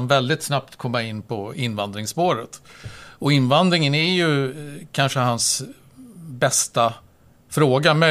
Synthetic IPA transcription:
nvɛld̪ɪt̪snap̚t̪kʰɔmːaɪnːpʰɔɪnːvand̪ɾɪŋspoːɾət̪ɔɪnːvand̪ɾɪŋənæɾjɵkʰanʂəhans | bɛst̪a | fɾoːɡamœ

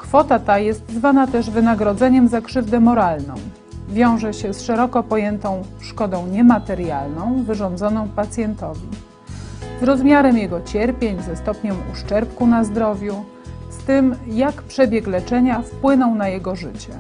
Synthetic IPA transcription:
kfɔt̪at̪ajɛst̪zvanat̪ɛʐvɘnaɡɾɔd̪zɛɲɛmzakʂɘvd̪ɛmɔɾalnɔ̰̃w̃ | vʲjɔ̃w̃ʐɛɕɛsʂɛɾɔkɔpɔjɛnt̪ɔ̃w̃ | ʂkɔd̪ɔ̃w̃ɲɛmat̪ɛɾjalnɔ̃w̃vɘʐɔnd̪zɔnɔ̃w̃pat̪sʲjɛnt̪ɔvʲi | zɾɔzmʲjaɾɛmjɛɡɔt͡ɕɛɾpʲjeɲzɛst̪ɔpɲɛmuʂt͡ʂɛɾpkunazd̪ɾɔvʲju | st̪ɘmjakpʂɛbʲjɛklɛt͡ʂɛɲafpwɘnɔ̃w̃najɛɡɔʐɘt͡ɕɛ

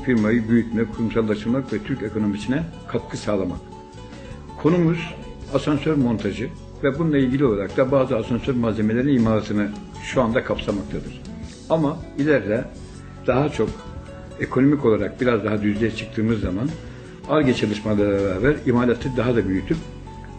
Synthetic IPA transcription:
fiɾmajɯbyjycmɛkʰuɾˠumsalˠːaʃt̪ɯɾmakvɛt̪ʰyɾce̞kʰo̞no̞misinɛkʰap̪̚kʰɯsaːlˠama̰k̚ | kʰo̞numuz̥ | asansøɾmo̞nt̪ʰaʒɯ | vɛbunnlˠailʲɟʲilʲiolˠaɾak̚t̪ʰabaːzɯasansøɾmazʲe̞me̞lʲe̞ɾinimaːlat̪ʰɯnɯ | ʃuand̪akʰapsamak̚t̪ʰad̪ɯɾ̥ | amailʲæɾlʲɛ | d̪̥aɦat͡ʃʰo̞k | e̞kʰo̞no̞miko̞lˠaɾak̚biɾazd̪aɦad̪yzlʲejɛt͡ʃʰɯ̥k̚t̪ʰɯːmɯzːaman | alɟat͡ʃʰalˠɯʃmabˠaɛɾaːbæɾimaːlʲat̪ʰːɛd̪aɦad̪abyjyt̪ʰyp̚

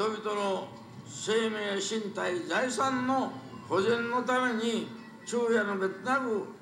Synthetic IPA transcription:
dobit̪oɾo | seːmeːɕint̪aid͡zajsanːohod͡ʑenːot̪ameɲi | t͡ɕʰuːjanobet͡snaɡɯ

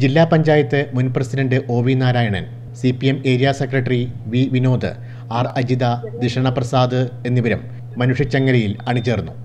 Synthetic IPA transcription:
d͡ʑilːaːpɐɲd͡ʑaːjɐt̪ːɨmunprɐsidɐɳɖɨʔo̞ːʋinaːɾaːjɐɳɐ̰n | sipieme̞ːɾijaːsɐkrɐʈːriʋiʋino̞ːd̪ɨ̰ | aːrɐd͡ʑid̪ɐd̪iʂɐɳɐprɐsaːd̪ɨe̞nːiʋɐɾɐmː | ɐnuʂjɐt͡ɕːɐŋːɐɾɐjilɐɳit͡ɕːe̞ːrnːu

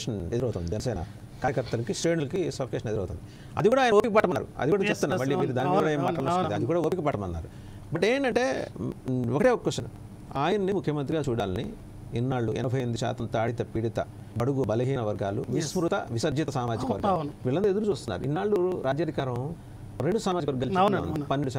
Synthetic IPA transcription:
ʂɐned̪uɾɐwt̪und̪id͡ʒɛnɐsɛːnɐ̰ | kaːjɐkɐɾt̪ːɐlɐkisɾe̞ːɳulɐkisɐːkeːʃɐned̪uɾɐ̰wt̪und̪i | ɐ̰d̪ikuːɽaːjnɐoːpikɐpɐʈːɐmɐnːa̰ːɾṵɐ̰d̪ikuːɽat͡ʃep̚t̪unːaːɾmɐɭːiiɾid̪aːnikiːkːuɽaːeːmːaːʈɐlnut̪nɐd̪ikuːɽaoːpikɐpɐʈːɐmɐnːa̰ːɾu | bɐʈːeːɳʈɐɳʈe̞ː | ɔkɐʈeɔkːɐkːɐʃɐnɐ̰ | aːjɐnɐnimukʰjɐmɐnt̪ɾiɡaːt͡ʃuːɽaːlɐnḭ | inːaːɭːuɛ̰nɐbʱɐjend̪uʃa̰ːt̪ɐmt̪aːɽit̪ɐpiɽit̪ɐ | bɐɽuɡubɐlɐɦiːnɐʋɐɾɡaːlṵmismɾut̪ɐʋisɐɾd͡ʒit̪ɐsaːmaːd͡ʒikɐʋɐɾɡaʋiːɭːɐnt̪ɐed̪uɾut͡ʃuːst̪unːa̰ːɾṵḭnːaːɭːuɾaːd͡ʒjaːd̪ʱikaːɾɐ̃m | ɾeɳɖusaːmaːd͡ʒikɐʋɐɾɡaːlt͡ʃɐ̰nd̪ipɐnːeɳɖuʃa

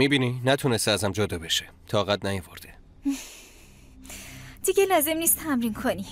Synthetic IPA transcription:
miːbiːninæt̪ʰune̞st̪eæzæmd͡ʒod̪ɒːbe̞ʃe̥ | t̪ʰɒːɣæt̪̚næjovoɾd̪̥e̥ | d̪̥iɡelɒːze̞mniːst̪ʰæmɾiːnkʰoni

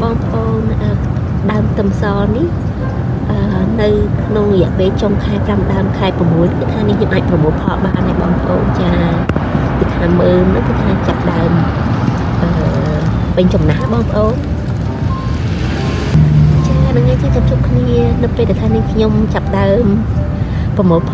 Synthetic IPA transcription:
ɓɑːŋpə̆ʔoːnʔəː | ɗaəmt̪ɨmsɑːnih | ʔəːnɨwkʰnoŋrɔjɛ̆əʔpeːlt͡ɕoŋkʰaɛpramɗaəmkʰaɛpramːuəlnkːɨt̪ʰːaːnikʰɲomʔaːc̚prɑmoːlpʰɑlɓa̰ʔnajɓɑ̰ːŋpəʔoːnt͡ɕaː | kɨt̪ʰaːməːnnɨŋkɨt̪ʰaːt͡ɕapːəɗaəm | ʔəː | pəɲt͡ɕɑmnaɦjɓɑːŋpə̆ʔoːn | t͡ɕaːaɗaŋajt͡ɕɨːkʰɲomt͡ɕʰup̚kʰniənɨwpeːlɗat̪ʰaːnihkʰɲomt͡ɕapəɗaəm | prɑmoːlpʰ

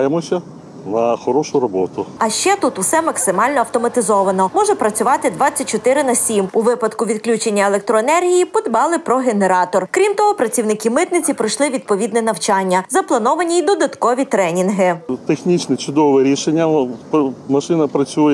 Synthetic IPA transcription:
jemɔsʲɐ | nɐxɔɾɔʃʊɾɔbɔt̪ʊɐʃt͡ʃɛt̪ut̪usɛmɐksɪmɑlʲnɔɐwt̪ɔmɐt̪ɪzɔʋɐnɔmɔʒɛpɾɐt͡sʲʊʋɑt̪ɪd̪ʋɑt͡sʲːɐt̚ʲt͡ʃːɔt̪ɪɾɪnɐsʲimuʋɪpɐd̪kʊʋʲid̪klʲut͡ʃenʲːɐelˠek̚t̪ɾɔenɛrɦʲijipɔd̪bɑlˠɪpɾɔɦeneɾɑt̪ɔrkɾʲimt̪ɔɦɔpɾɐt͡sʲiwnɪkʲɪmɪt̪nɪt͡sʲipɾɐjʃlˠɪʋʲid̪̚pɔʋʲid̪nɛnɐwt͡ʃɑnʲːɐzɐplˠɐnɔʋɐnʲiid̪ɔd̪ɐt̪kɔʋʲit̪ɾɛnʲinɦɪt̪exnʲit͡ʃnɛt͡ʃʊd̪ɔʋɛɾʲiʃenʲːɐpmɐʃɪnɐpɾɐt͡sʲujɛ

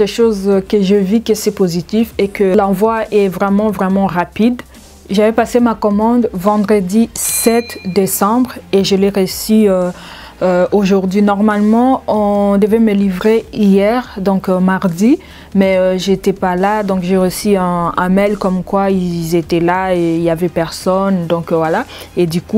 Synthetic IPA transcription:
deʃozkəʒəvikəsɛpozit̪ifekəlɑ̃vwaʔɛvʁɛmɑ̃vʁɛmɑ̃ʁapid̪ | ʒavɛpasemakɔmɑ̃d̪vɑ̃d̪ʁəd̪isɛt̪d̪esɑ̃bʁeʒəleʁeysyø | øoʒuʁd̪ɥinɔʁmalmɑ̃ɔ̃d̪əvɛməlivʁeijɛʁd̪ɔ̃kmaʁd̪i | mɛøʒet̪ɛpalad̪ɔ̃kʒeʁəsyɛ̃ɛ̃mɛlkɔmkwailzet̪ɛlaeiljavɛpɛʁsɔnd̪ɔ̃kvwala | ed̪yku

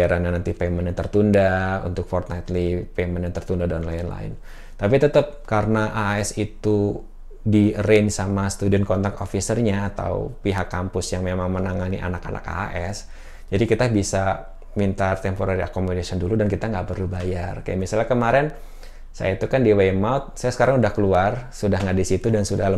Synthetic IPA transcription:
aɾanɲanant̪ipemənjat̪ərt̪undaṵnt̪ʊk̚fɔrt̪̚najt̪lipemənjant̪ərt̪undadɔnlaɛnla̰ɪ̰n | t̪apit̪ət̪əp̚kaɾənaʔaaɛsit̪u | dirensamasə̥t̪udiɔnkɔnt̪ak̚t̪ofisərɲaːt̪a̰wpiɦakːampʊsjaŋmemaŋmənaŋaniʔa̰naka̰na̰ka̰a̰ʔɛs | d͡ʒadikit̪abisa | mint̪art̪ɛmpoɾaɾia̰komodasiɔnduludankit̪aŋɡaʔpərlubajarka̰ja̰ʔmisalɲakəmaɾɛn | sa̰jait̪ukandiwemawt̪̚sajasə̥kaɾaŋudahkəluarsudahŋɡaʔdisit̪udansudal

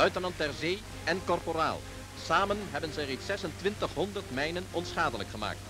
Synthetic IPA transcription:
œɥtərnɑnt̚dɛrzeːj | ɛnkɔrpora̰ːlˠ | saːmənɦɛbənzɛjrejtsɛsəntʋɪntəχɦɔndəɹtmɛjnənɔnsχaːdələkχəma̰ːk̚t

